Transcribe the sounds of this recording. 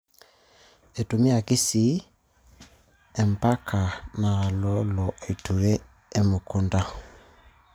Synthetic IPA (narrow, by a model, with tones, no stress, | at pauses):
e˨tu˨mi˦a˨ki˦si˦ | ɛ˨m˨pa˦kʰa˨na˨lɔ˦lɔ˨ʔi˨tʰu˨wɛ˦ | e˦mʊ˨ku˦nda˦